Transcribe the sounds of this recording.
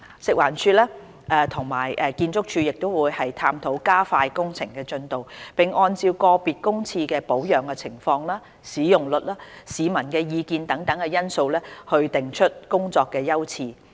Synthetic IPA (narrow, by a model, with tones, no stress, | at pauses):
sɪ˨k̚waː˨˩nt͡ʃʰyː˧lɛː˥ | ʔɛː˧t̪ʰʊ˨˩ŋma̰ː˨˩jʔɛː˧kiː˧nt͡sʊ˥k̚t͡ʃʰyː˧jɪ˨k̚t̪o˥wuː˨˧jhɐ˨jt̪ʰaː˧mt̪ʰo˨˥wkaː˥faː˧jkʊ˥ŋt͡sʰɪ˨˩ŋkɛː˧t͡ʃɵ˧nt̪o˨˩wpɪ˨˩ŋʔɔː˧nt͡siː˧wkɔː˧piː˨t̚kʊ˥ŋt͡sʰiː˧kɛː˧po˨˥wjœː˨˩ŋkɛ˧t͡sʰɪ˨˩ŋfɔː˧ŋlaː˥ | siː˨˥jʊ˨ŋlɵ˨t̚laː˥siː˨˧mɐ˨˩nkɛː˧jiː˧kiː˧nt̪ɐ˨˥ŋt̪ɐ˨˥ŋkɛː˧jɐ˥nso˧wlɛː˥hɵ˧ɥt̪ɪ˨˩ŋt͡ʃʰɵ˥t̚kʊ˥ŋt͡sɔː˧kːɛː˧jɐ˥wt͡sʰiː˧